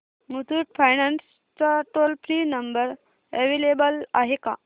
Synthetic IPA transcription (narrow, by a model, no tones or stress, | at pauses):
mut̪uʈfajnans | t͡saʈolfɾinəmbəɾ | eʋelebəla̰ɦeka̰